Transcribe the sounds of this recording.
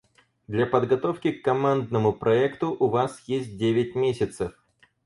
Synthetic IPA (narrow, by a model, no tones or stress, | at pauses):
d̪lʲapəd̪ɡɐt̪o̞fkʲɪkːɐmand̪nəmʊpɾɐɛkt̪ʊʔʊvasjesʲt̚ʲdʲevʲɪtʲmʲesʲɪt̪səf